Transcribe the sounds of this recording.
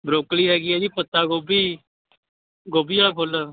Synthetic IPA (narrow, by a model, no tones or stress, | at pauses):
bɾoːkɽiːɦɛːɡiɛd̪iːpət̪ːaːɡoːbiː | ɡoːbijãːkʰoːlə